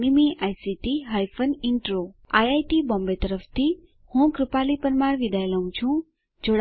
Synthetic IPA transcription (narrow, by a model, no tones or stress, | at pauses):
nimĩʔajsiʈiɦajfənɪɳʈɾoaːjajʈibɔ̃mbet̪əɾəft̪ʰi | hũkɾupalipəɾmaːɾʋid̪ajləũt͡ʃʰũ | d͡ʒoɽ